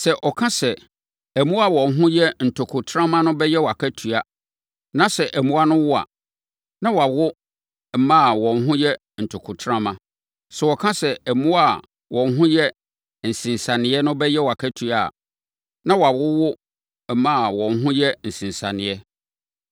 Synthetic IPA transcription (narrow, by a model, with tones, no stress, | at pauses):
sɛ˨ʔɔ˨kʰã˦sɛ˨ | æ˨mũ˦a˨wɔ̃˨n˦ɦʊ̃˦jɛ˦n̩˨tʰʊ˨kʰʊ˨tʰɾã˦mã˦nʊ̃˦bɛ˦jɛ˦wa˨kʰæ˦tʰu˨a˨ | nã˦sɛ˨ʔæ˨mũ˦a˦nʊ̃˦wʊ˦a̰˨ | nã˦wa˨wʊ˦ | m̩˨˦mã˦˨wɔ̃˨n˦ɦʊ̃˦jɛ˦ | n̩˨tʰʊ˨kʰʊ˨tʰɾã˦mã˦ | sɛ˨ɔ˨kʰã˦sɛ˨æ˨mũ˦a˦˨ | wɔ̃˨nɦʊ̃˦jɛ˦ | n̩˨sĩ˨n˨sã˨nɪ̃˨˦ɛ˦nʊ̃˦bɛ˦jɛ˦wa˨kʰæ˦tʰu˦a̰˨ | nã˦wa˨wʊ˦wʊ˦ | m̩˨mã˦a˨wɔ̃˨n˦ɦʊ̃˦jɛ˦n̩˨sĩ˨nsã˨nɪ̃˨ɛ˦